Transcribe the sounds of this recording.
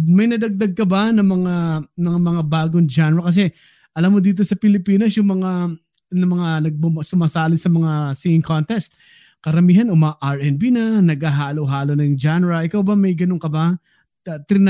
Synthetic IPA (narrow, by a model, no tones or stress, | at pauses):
mɐjnɐd̪ɐɡ̚d̪aɡ̚kɐbanɐŋmɐŋanɐŋamɐŋabaːɡoŋd͡ʒanɾɐkɐs̬ɛ | ʔɐlamːod̪iːt̪̬osɐpɪlɪpiːnɐsjʊŋmɐŋa | nɐmɐŋanɐɡ̚bɐmsʊmaːsaːlɪnsɐmɐŋasiŋɪŋkont̪ɛst̪̚ | kɐɾɐmiːhɐnʔomʔaɹʔɛnbinɐnɐɡaɦaːlowɦaːlonɐŋd͡ʒanɾɐʔɪkawbɐmɐjɡɐnoŋkɐba | t̪ɾɪn